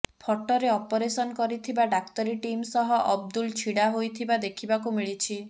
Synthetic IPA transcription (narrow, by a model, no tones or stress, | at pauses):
pʰɔʈɔɾeɔpɔɾesɔnɔkɔɾit̪ʰibaɖakt̪ɔɾiʈimsɔɦɔʔɔbd̪ult͡ʃʰiɽaɦojt̪ʰibad̪ekʰibakumiɭit͡ʃʰi